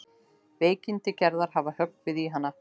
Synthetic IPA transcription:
veːjcɪnt̪ɪcɛɾðaɾ̥ɦavahœkvɪðiɦanːa

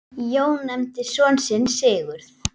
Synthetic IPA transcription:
joːwnːɛmt̪ɪsɔːnsɪnːsɪːɣʏɾ̥θ

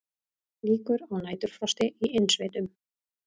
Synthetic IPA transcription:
liːkʏɾawnaːjt̪ʏɾ̥fɾɔst̪ɪiɪnsvɪːt̪ʏm

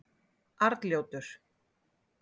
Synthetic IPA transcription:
aɾt̪ljoːwt̪ʏɾ̥

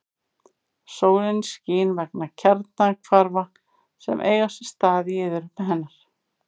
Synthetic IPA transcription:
soːwlɪnsciːnvɛknacʰɛɾt̪nakʰvaɾva | sɛ̰mʔḛːjɣasɛst̪aːðɪɪːðʏɾʏp̪ɪɦɛnːaɾ̥

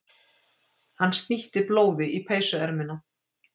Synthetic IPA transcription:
hanːst̪niht̪ɪploːwðɪʔipʰeːjsʏɛɾmɪna

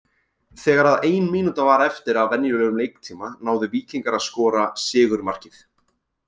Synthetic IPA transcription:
θɛːɣaɾaðeːjnmiːnut̪avaːɾɛft̪ɪɾavvɛnjʏlœːɣʏmlejk̚t̪ʰiːmanaːwðɪviːciŋkaɾaðskɔːɾasɪːɣʏɾmar̥cɪθ

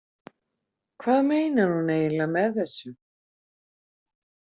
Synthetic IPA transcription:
kʰvaːðmeːjnaɾ̥huneːjlamɛðθɛsːʏ

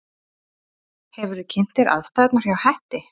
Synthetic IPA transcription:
hɛvʏɾʏcʰɪn̥t̪ɪɾa̰ðst̪ajt̪naɾ̥jawhɛht̪ɪ

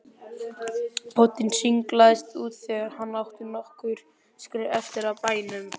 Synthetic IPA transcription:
pʰɔt̪insiŋklaðɪst̪uːt̪θɛːɣaɾhanːlawht̪ʏnɔhkʏɾ̥ | skɾɛɛft̪ɪɾaðpaːjnʏm

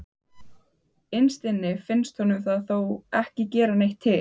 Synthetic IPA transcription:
ɪnst̪ɪnːɪfɪnst̪hɔnʏmθaðθowɛhcɪcɛːɾanejht̪ʰːɪ

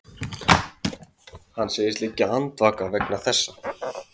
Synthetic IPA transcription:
hanːseːjɪst̪licːɪant̪vaːkavɛknaθɛsːa

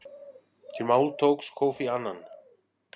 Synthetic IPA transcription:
t̪ʰɪmaːwlt̪ʰowkskʰoːwfianːan

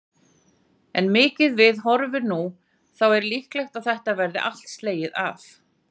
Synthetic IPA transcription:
ɛnmɪːcɪðvɪðɦɔɾvɪnu | θawɛɾlihklɛjxt̪aðθɛht̪avɛɾðɪʔal̥t̪st̪leːjɪða̰f

